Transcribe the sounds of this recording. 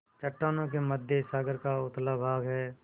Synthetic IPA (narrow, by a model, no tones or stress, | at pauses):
t͡ʃəʈːaːnõk̬eməd̪ʱjesaːɡəɾkaʊt̪labʱaːɡɦɛː